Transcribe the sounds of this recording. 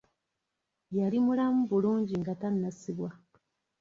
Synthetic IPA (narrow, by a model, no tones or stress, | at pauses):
jalimulamuβuluːɲɟiŋɡatanːasiβwa